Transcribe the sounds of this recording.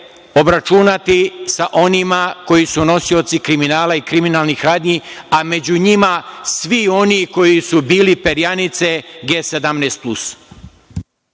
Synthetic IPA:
o̞bɾat͡ʃunat̪isaʔo̞nimako̞jisuno̞sio̞t̪sikɾiminaːlaikɾiminaːlˠnixɾaːd̪ɲiame̞d͡ʑuɲimasʋio̞niko̞jisubiːlipe̞ɾjanit̪se̞ɡeːse̞d̪amneːst̪̚plus

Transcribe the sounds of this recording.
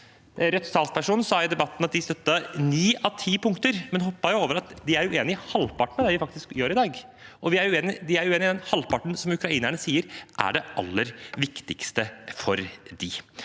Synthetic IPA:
ɾœt̪sɑːlspʰæʂuːnn̩sɑːɪd̪ɛbɑt̪ːnɑt̪̚d̪ɪst̪œt̪ːɑniːɑʋt̪ʰiːpʰʊŋkt̪əɾmɛnhɔpːɑjʊoːʋəɾɑt̪d̪ɪæɾjʊʔeːnɪɪhɑlːpɑʈmd̪ɛːʋɪfɑkt̪ɪskjøːɾɪd̪ɑːɡʔɔʋɪæɾʊeːnɪd̪ɪæɾjʊʉeːnɪd̪ɛnhɑlpʰɑʈɳ̩sɔmʉkɾɑiːnæɳəsiːəɾʔæ̰ɖɛʔɑ̰lːəɾʋɪkt̪ɪkst̪əfɔɾd̪ɪ

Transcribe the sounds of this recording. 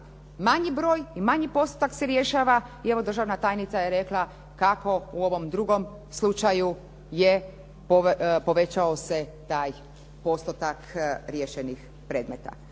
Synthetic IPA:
maɲibɾo̞ːjimaɲipo̞st̪ot̪akse̞ɾje̞ʃaːʋaie̞ʋo̞d̪ɾr̩ʒaʋnat̪aːjnit̪saje̞ɾe̞klˠa | kako̞uo̞ʋo̞md̪ɾuɡo̞m | slˠut͡ʃaju | je | popo̞ʋe̞t͡ɕaose̞t̪aːj | po̞st̪ot̪akɾjeʃenix | pɾe̞ːd̪me̞t̪a̰

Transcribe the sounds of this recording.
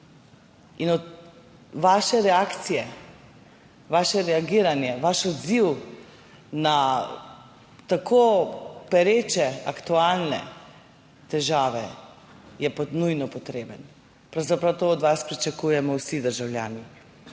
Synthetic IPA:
inɔt̪ | ʋaːʃɛɾɛakt̪sijɛ | ʋaːʃɛɾɛaɡiːɾanjɛʋaʃɔd̪ziw | na | t̪akʰoːpɛɾeːt͡ʃɛakt̪ualnɛ̰ | t̪ɛʒaːʋɛ | jɛpɔnujnɔpɔt̪ɾeːbən | pɾawzapɾawt̪oːd̪ʋaspɾit͡ʃakujɛmɔwsid̪əɾʒawlʲja̰ːni

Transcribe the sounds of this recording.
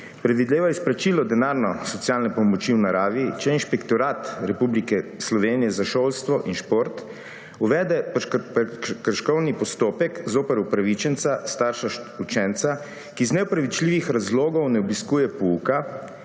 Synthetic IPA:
pɾɛd̪ʋid̪leːʋaisplɾat͡ʃiːlɔd̪ɛnaːɾnɔsɔt̪sijaːlnɛpɔmɔt͡ʃiwnaɾaːʋit͡ʃɛinʃpɛkt̪ɔɾaːt̪ɾɛpublikɛslɔʋeːnijɛzaʃoːlst̪ʋɔʔinʃpoɾt̪ | uʋɛːd̪ɛpkəɾʃkɔwnipɔst̪oːpɛkzoːpəɾupɾaʋit͡ʃɛnt̪sast̪aːɾʃaut͡ʃɛnt̪sa | kiznɛɔpɾaʋit͡ʃliːʋixɾazloːɡɔwnɛɔbiskuːjɛpɔuka

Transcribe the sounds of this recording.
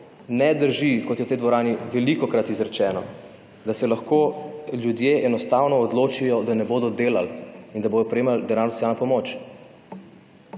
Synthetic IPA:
nɛd̪əɾʒikɔt̪jɛwt̪ɛjd̪ʋɔɾaːniʋɛlikɔkɾat̪izɾɛt͡ʃɛːnɔ | d̪asɛlaxkoːljud̪jeʔɛnɔst̪aːwnɔːd̪loːt͡ʃijɔd̪anɛboːd̪ɔd̪eːla̰lind̪aboːj̪ɔpɾɛeːmald̪ɛnaɾnsjalnɔpɔmoːt͡ʃ

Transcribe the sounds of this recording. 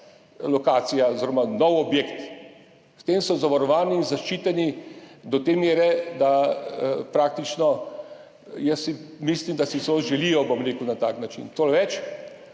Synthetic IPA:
lɔkaːsijaoziɾɔmanɔwɔbjekt̪ | st̪emsɔzaʋaɾɔʋaːniːnzaʃt͡ʃiːt̪ɛnid̪ɔt̪eːmjeːɾɛd̪a | pɾaːkt̪it͡ʃnɔ | jəsːimislimd̪asisoʒɛlijɔbomɾeːkuwnat̪aknat͡ʃḭnt̪olʋɛt͡ʃ

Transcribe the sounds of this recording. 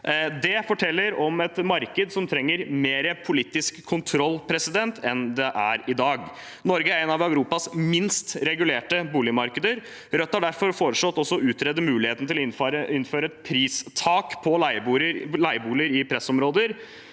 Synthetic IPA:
d̪ɛfɔʈʰɛlːəɾɔmɛt̪mɑɾkəd̪sɔmt̪ʰɾɛŋːəɾmeːɾəpʰʊliːt̪ɪskʰːʊnt̪ʰɾɔlːpʰɾɛsɪd̪ɛnt̪ʰɛnd̪ɛʔæɾɪd̪ɑːɡ | nɔɾɡəæɾɛnɑʋœʉɾuːpɑsmɪnst̪ɾɛɡʉleːʈəbuːlɪmɑɾkəd̪əɾ | ɾœt̪ːhɑɖæɾfɔɾfoːɾəʂlɔt̪ːɔsːɔʉːt̪ɾɛd̪ːəmʉːlɪheːt̪nət̪ɪlɔɪɪnːføːɾəɛt̪̚pʰɾiːst̪ʰɑːkpʰɔlæɪɾlæɪəbuːləɾɪpʰɾɛsɔmɾoːd̪əɾ

